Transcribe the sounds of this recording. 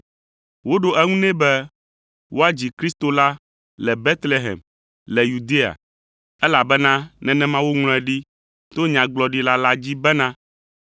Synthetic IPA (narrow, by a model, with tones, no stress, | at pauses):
wo˦ɖo˦ʔɛ˦ŋũ˦nɛ̃˦bɛ˦ | wʔo˦a˦d͡ʑi˨kɾi˦st̪o˦la˦ | lɛ˨bɛ˦t̪le˦ɦɛ̰˨m | lɛ˨ju˨d̪e˦a̰˨ | ɛ˦la˨bɛ˦nã˦nɛ̃˨nɛ̃˦mã˦wo˦ŋl̃ɛ̃˨ɖi˦ | t̪o˦ɲã˨ɡ͡blɔ˨ɖi˦la˦la˦d͡ʑi˦bɛ˦nã˦